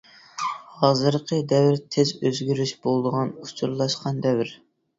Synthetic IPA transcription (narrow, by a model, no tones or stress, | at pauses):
hɑːzɨɾqʰəd̪ɛwɾt̪ʰezøzɡʲyɾyʃb̥olˠd̪əʁɑnut͡ʃʰuɾlˠɑʃqɑnd̪ɛwɾ